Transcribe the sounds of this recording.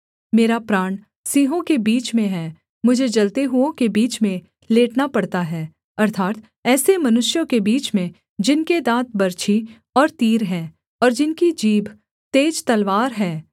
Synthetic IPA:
meːɾapɾaːɳ̃ | siːɦõkebiːt͡ʃmẽɦɛː | mʊd͡ʒʱed͡ʒɐlt̪eɦʊõkebiːt͡ʃmẽ | leːʈnapɐɽt̪aɦɛː | ɐɾt̪ʰaːt̪ | ɛːsemɐnʊʃjõkebiːt͡ʃmẽ | d͡ʒɪnked̪ãːt̪̚bɐɾt͡ʃʰi | ɔːɾt̪iːɾɦɛː | ɔːɾd͡ʒɪnkid͡ʒiːbʱ | t̪eːd͡ʒt̪ɐlʋaːɾɦɛː

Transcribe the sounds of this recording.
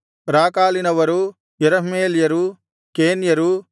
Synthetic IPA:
ɾaːkaːlinɐʋɐɾu | jɛɾɐɦmeːljɐɾu | keːnjɐɾu

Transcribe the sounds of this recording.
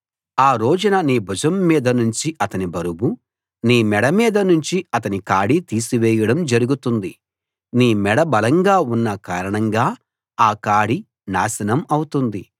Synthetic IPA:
aːɾo̞ːd͡ʒɐnɐniːbʱud͡ʒɐmːiːd̪ɐnuɲt͡ʃiʔɐt̪ɐnibɐɾubu | niːmɛɽɐmiːd̪ɐnuɲt͡ʃiɐt̪ɐnikaːɽit̪iːsiʋɛːjɐɽɐmd͡ʒɐɾuɡut̪und̪i | niːmɛɽɐbɐlɐŋɡaːunːɐkaːɾɐɳɐŋɡaː | aːkaːɽi | naːsɐnɐmɐwut̪und̪i

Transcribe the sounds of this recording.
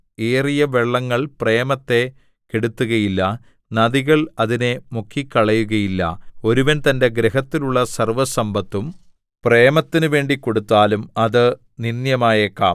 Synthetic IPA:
eːrijɐʋeɭːɐŋːɐɭpre̞ːmɐt̪ːe̞ | keɽut̪ːuɣɐjilːɐ | nɐðiɣɐɭɐðine̞mukʰːikːɐɭɐjuɣɐjilːɐ̰o̞ɾuʋɐnt̪ɐnde̞ɡɾeɦɐt̪ːiluɭːɐsɐrʋɐsɐmbɐt̪ːum | preːmɐt̪ːinuʋe̞ːɳɖikːo̞ɽut̪ːaːlumɐðɨ | ninjɐmaːjekːaː

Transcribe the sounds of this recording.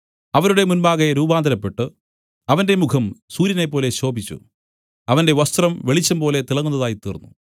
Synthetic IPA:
ɐʋɐɾuɽe̞munbaːɣeɾuːbaːnd̪ʱɐɾɐpːe̞ʈːɨ | ɐʋɐnde̞mukʰɐmsuːɾjɐne̞pːo̞ːle̞ɕo̞ːbit͡ɕːṵ | ɐʋɐnde̞ʋɐst̪rɐmʋeɭit͡ɕːɐmpo̞ːle̞t̪iɭɐŋːunːɐðaːjit̪iːrnːṵ

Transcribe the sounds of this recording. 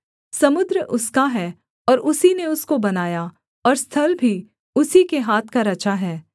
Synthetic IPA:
sɐmʊd̪ɾəʔʊskaɦɛː | ɔːɾʔʊsineʊskobɐnaːja | ɔːɾst̪ʰɐlbʱi | ʊsikeɦaːt̪ʰkaɾɐt͡ʃaɦɛː

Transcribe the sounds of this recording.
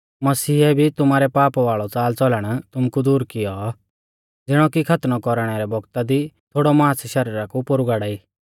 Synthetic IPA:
mɐsiːɛbʱit̪ʊmaːɾɛpaːpʋaːɭɔt͡saːlt͡sɔləɽ̃t̪ʊmkud̪uːɾkɪjɔ | d͡zɪɽ̃ɔkikʰɐt̪nɔkɔɾɽ̃ɛɾɛbɔɡt̪ad̪it̪ʰoːɽɔmaasʃɐɾiːɾakupʊɾuɡaːɽaːiː

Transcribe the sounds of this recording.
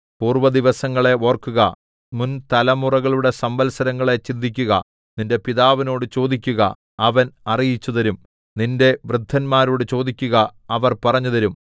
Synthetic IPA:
puːrʋɐd̪iʋɐsɐŋːɐɭe̞o̞ːrkːuɣɐ | munt̪ɐlɐmurɐɣɐɭuɽe̞sɐmbɐlsɐɾɐŋːɐɭe̞t͡ɕind̪ʱːik̬ʲːuɣɐ̰ | ninde̞piðaːʋino̞ːɽɨt͡ɕo̞ːd̪ikʲːuɣɐ̰ | ɐʋɐnɐrijit͡ɕːuðɐɾum | ninde̞ʋrɨd̪ʱːɐnmaːɾoːɽɨt͡ɕo̞ːd̪ikʲːuɣɐɐʋɐrpɐrɐɲːuðɐɾum

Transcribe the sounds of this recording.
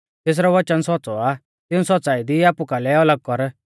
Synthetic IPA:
t̪eːs̬ɾɔʋɐt͡ʃənsɔt͡sɔa | t̪ɪũsɔt̪ːt͡saːid̪iaːpukalɛɔləɡ̚kɔɾ

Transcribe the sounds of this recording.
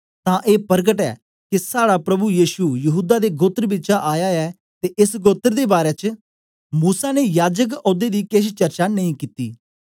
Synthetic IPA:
t̪ãːʔeːpəɾɡəʈɛ̰ː | kɪsaːɽapɾɐbujiːʃujəɦuːd̪aːd̪eːɡoːt̪əɾbɪt͡ʃaʔaːjaɛː | t̪eːʔɪsɡoːt̪əɾd̪eːbaːɾeːt͡ʃ | muːsaːnejaːd͡ʒək̬oːd̪eːd̪iːkest͡ʃəɾt͡ʃaːnəĩkit̪ḭː

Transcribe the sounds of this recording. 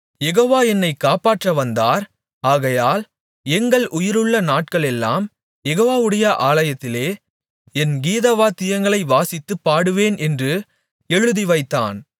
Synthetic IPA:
jɛɣoːʋaːɛnːɐɪkːaːpaːʈrɐʋɐnd̪aːɾ | aːɣɐjaːl | ɛŋɡɐɭʔʊjɪɾɯɭːɐnaːʈ̚kɐɭɛlːa̰ːm | jɛɣoːʋaːʋɯɽɐjɐʔaːlɐjɐt̪ːɪleː | ɛnɡiːðɐʋaːt̪ɪjɐŋɡɐɭɐɪʋaːsɪt̪ːɯpːaːɽɯʋeːnɛndrɯ | ɛɻɯðiʋɐɪt̪ːa̰ːn

